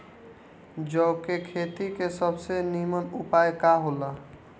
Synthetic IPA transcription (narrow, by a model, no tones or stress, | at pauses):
d͡ʒɔʊkekʰet̪ikesəbsenimənupaekaɦola